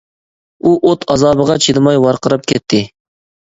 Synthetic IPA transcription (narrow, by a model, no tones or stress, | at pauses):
uʔot̪ʰɑzɑːbəʁɑt͡ʃʰid̪ɨmɑjwɑɾqʰəɾɨp̚kʲʰɛt̪ʰːɪ